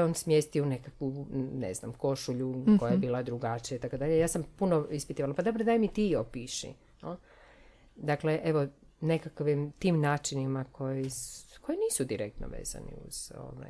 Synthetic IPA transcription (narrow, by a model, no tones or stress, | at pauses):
oːnsmjest̪iunekakʋunḛzna̰mko̞ʃuʎukojajebiːlad̪ɾuɡat͡ʃijait̪akod̪aʎejaːsampunoispit̪iʋalapad̪obɾod̪ajmit̪iopiːʃḭ | o | d̪akle̞ʔe̞ʋo | nekakʋimt̪iːmnaːt͡ʃinimakʰo̞jisko̞jiniːsud̪iɾekt̪no̰ʋḛːza̰nḭṵz̥o̰ʋa̰j